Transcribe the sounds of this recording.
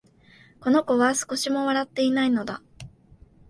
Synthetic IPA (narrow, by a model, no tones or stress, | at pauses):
ko̞no̞ko̞βasɨ̥ko̞ɕimo̞βaɾat̪ːe̞inaino̞d̪a